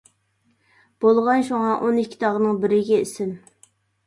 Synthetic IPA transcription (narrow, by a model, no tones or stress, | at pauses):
b̥olˠʁɑnʃuŋɑʔonikʲʰːi̥t̪ʰɑʁnɨŋbɪɾɪɡʲɛisɪm